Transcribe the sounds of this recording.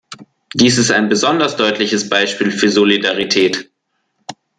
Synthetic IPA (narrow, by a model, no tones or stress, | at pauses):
d̥iːsɪsta̰ɪnbəzɔndɐsd̥ɔʏtʰlɪçəsb̥aɪʃpiːlfyːɐzolidaʁitʰɛːt